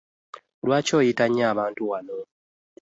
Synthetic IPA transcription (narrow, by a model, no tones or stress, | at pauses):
lwaːco̞ːjitaɲːaːβaːntuwano